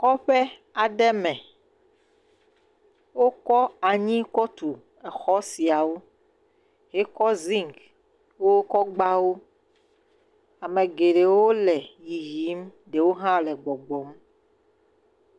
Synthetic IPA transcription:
kɔ˦ɸɛ˦ | a˨ɖɛ˦mɛ̃˨ | wo˦kɔ˦a˨ɲĩ˦kɔ˦t̪u˨ | ɛ˨xɔ˦si˨a˨wo˦ | ɦe˦kɔ˦zĩ˦ŋk | wo˦wo˦kɔ˦ɡ͡ba˦wo˦ | a˨mẽ˨ɡe˨ɖe˨wo˦lɛ˨ji˨ɦi˨˦m | ɖe˨wo˦ɦã˦lɛ˨ɡ͡bɔ˨ɡ͡bɔ˦m

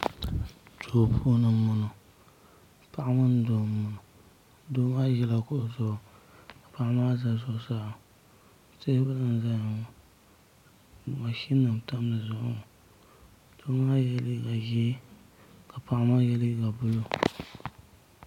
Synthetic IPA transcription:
tʰo˨pʰuː˦nɨ˨mʊ˨nʊ˨ | pa˦ʔa˦mɨ˦n˦do˨mʊ˨nʊ˨ | do˦maː˦jɛ˦la˨kʊ˦ʔʊ˨zʊ˦˨ka˨pa˦ʔa˦maː˦za˨zʊ˦saː˦˨a˨ | se˦hba˦nɨ˦n˨za˦ɲa˨ŋ˨ | ma˨ʃi˦nːɨ˨m˨ta˦mnɨ˨zʊ˨ʔŋ˨ | d̥o˦ma˦jɛ˦lɡa˨ji˦ | ka˨pa˦˨ʔa˦ma˦jɛ˦lɡa˨bʊ˦lo˦

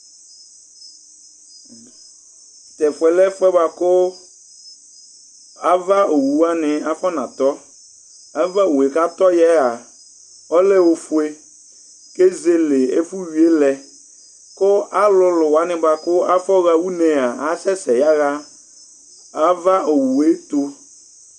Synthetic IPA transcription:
t̪ɛ˨fʊ˨ɛ˨lɛ˦fʊ˦ɛ˦ba˨kʊ˦ | a˦va˦o˨wu˨˦a˦nɪ˨a˦fɔ˦nã˨t̪ɔ˦ | a˨va˦o˨e˨ka˦t̪ɔ˦jɛ˦a˨ | ɔ˦lɛ˦wo˨fu˦e˦ | ke˦ze˦lɪ˨e˦fu˦wi˨e˦lɛ˨ | kʊ˦a˦lʊ˦lʊ˨wa˦nɪ̃˦ba˨kʊ˦a˦fɔ˦ɣa˨wu˦nẽ˨a˨a˨sɛ˦sɛ˨ja˦ɣa˦ | a˦va˦o˨wu˨e˦t̪o˦

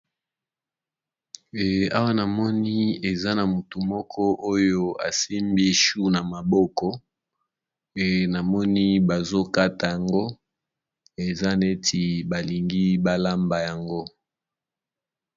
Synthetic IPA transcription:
a̰˦wa˦na˨mɔ˦ni˦e˨za˦na˨mu˨tu˨mɔ˦kʰɔ˦ʔo˦jo˦a˨si˦mbi˦ʃu˦na˨ma˨bɔ˦kɔ˦ | e˨na˨mɔ˦ni˦ba˨zo˦ka˦ta˨ja˨ŋɡo˦ | e˨za˦ne˦tʰi˨ba˨li˨ŋɡi˦ba˦la˦mba˨ja˨ŋɡo˦

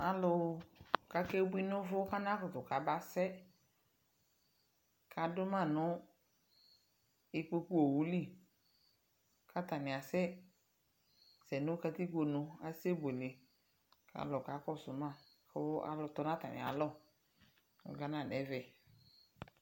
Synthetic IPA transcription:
a˨lʊ˨ka˨ke˦bʊ˦i˦nʊ˦vʊ˦ka˦na˦kʊ˨tʊ˨ka˨ba˦sɛ˦ | ka˨dʊ˦mã˦˨nʊ˦ | ɪ˨k͡po˦ku˦o˨wu˦li˦˨ | ka˦ta˨nɪ˨a˨sɛ˦ | sɛ˨nʊ˦ka˧ti˦ko˨nʊ˨a˨se˦bo˨nɪ˨ | ka̰˨lʊ˨ka˨˦kɔ˦˨sʊ˨mã˦˨ | ka̰˨lʊ˨tɔ˦na˦ta˨nɪ̰˨a̰˨lɔ˦˨ | ɡa˨nã˦˨nɛ˨˦vɛ˨

